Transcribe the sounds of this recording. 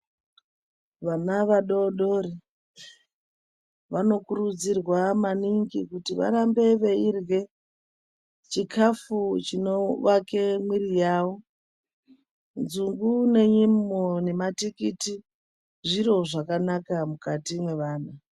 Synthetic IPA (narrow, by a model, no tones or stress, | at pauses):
ʋanaʋaɗoɗoɾi | ʋano̞kuɾud͡zirwamaniŋɡikutiʋa̰ɾambe̞ʋeirwe̞ | t͡ʃikʰafut͡ʃino̞ʋake̞mwirijaːʋo̞ | nzuŋɡune̞ɲimone̞matikiti | ʐiɾo̞ʐakanakamukatimwe̞ʋaːna